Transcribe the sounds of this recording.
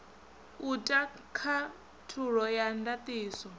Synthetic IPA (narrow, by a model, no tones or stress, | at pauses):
utʼa | kʰa | tʰuɺɔjandat̪ʼiːsɔ